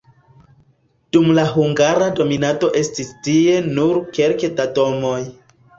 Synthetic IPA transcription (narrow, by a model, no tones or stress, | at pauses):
d̥umlaɦuŋɡaɾado̞minato̞ʔe̞stistie̞nuɾke̞lkedato̞mo̞j